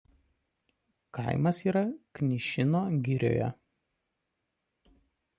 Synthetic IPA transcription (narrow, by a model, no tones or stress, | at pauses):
kɐ̰ɪmɐsiːɾɐknʲɪʃʲɪnoːɡʲɪɾʲo̰ːjɛ̰